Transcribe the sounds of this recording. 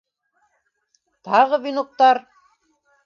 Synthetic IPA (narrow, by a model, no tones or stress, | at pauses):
t̪ɑʁɤβinok̚t̪ɑɾ